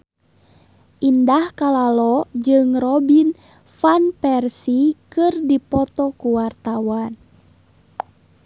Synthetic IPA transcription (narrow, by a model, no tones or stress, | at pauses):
ʔindahkalalɔd͡ʒɨŋrɔbin | fanpɛrsikɨrdipɔt̪ɔkuwart̪awan